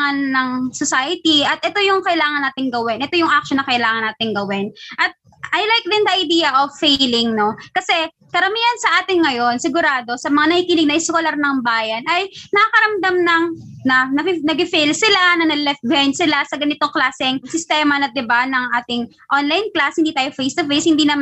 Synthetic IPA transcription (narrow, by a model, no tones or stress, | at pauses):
ŋɐnːɐŋsosajɪt̪iɐt̪̚ʔɛt̪o̞jʊŋkɐʔɪlaːŋɐnaːt̪ɪŋɡɐwɛnʔɛt̪o̞jʊŋʔak̚ʃonːɐkɐʔɪlaːŋɐnːaːt̪ɪŋɡɐwɛnʔɐt̪̚ | ʔɐjlajk̚d̪ɪnd̪ɐʔɐjd̪iːjɐʔovfːelɪŋno̞kɐsɛ | kɐɾɐmiːhɐnsɐʔaːt̪ɪŋːɐjo̞nsɪɡʊɾaːd̪o̞sɐmɐŋanɐhiːkiːlɪɡ̚nɐʔɪskolɐɾnɐŋbaːjɐnʔɐjnɐɐkɐɾɐmd̪amnɐŋ | nɐnɐnɐɡɪfelsɪlanɐnɐlɛft̪̚bɛnsɪlasɐɡɐnɪt̪o̞ŋklaːsɪŋsɪst̪ɛːmɐnɐt̪̚d̪ɪbanɐŋʔaːt̪ɪŋ | ʔonlɐjnklashɪnd̪iːt̪aːjofejst̪ʊfejshɪnd̪iːnɐm